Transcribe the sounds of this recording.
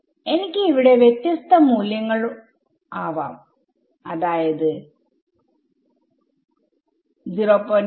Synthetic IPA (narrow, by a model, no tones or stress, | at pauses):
e̞nikʲːɨiʋiɽe̞ʋjet̪jɐst̪ɐmuːljɐŋːɐɭu | aːʋa̰ːm | ɐðaːjɐðɨ | d̪iropːon